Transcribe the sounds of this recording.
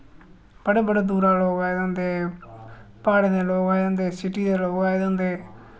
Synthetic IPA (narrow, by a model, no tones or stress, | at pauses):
b̥əɽeːbəɽeːd̪uːɾaːloːɡaːed̪ãnd̪eː | paːɽeːd̪eːloːɡaːed̪̃nd̪eːsɪʈiːd̪eːloːɡaːed̪ãːnd̪eː